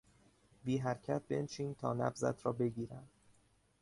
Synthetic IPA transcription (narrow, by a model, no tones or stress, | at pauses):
biːɦæɾcʰæt̪̚be̞nt͡ʃʰiːnt̪ʰɒ̰ːnæ̰bzæ̰t̪ʰɾɒːbe̞ɟiːɾænd̪̥